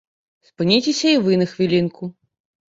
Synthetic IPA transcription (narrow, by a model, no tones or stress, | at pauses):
spɨnʲit͡sʲesʲɐivɨnɐxvʲilʲinkʰu